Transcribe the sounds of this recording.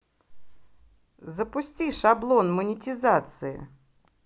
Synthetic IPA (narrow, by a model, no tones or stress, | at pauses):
zəpʊsʲtʲiʂablˠonmənʲɪtʲɪzat̪sɨɪ̰